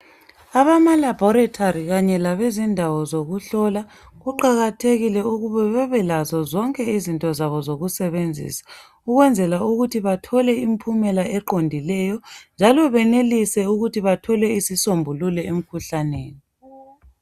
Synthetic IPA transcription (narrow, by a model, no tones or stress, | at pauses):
aβamalabʱɔɾatʰaɾiɣaɲɛlaβezindʱawɔzoɣuɬɔla | ɣuǃaɣatʰeɣilɛuɣuβɛβɛβɛlazɔzɔŋkʼɛizintʼɔzaβɔzoɣusɛβend͡zʱḭːsḁ | uɣwɛnd͡zʱɛlauɣutʰiβatʰɔlɛimpʰumɛlaʔɛǃondʱilɛjɔnd͡ʒʱalɔβɛnelisɛuɣutʰiβatʰɔlɛisisombʱululɛem̩kʰuɬaneːni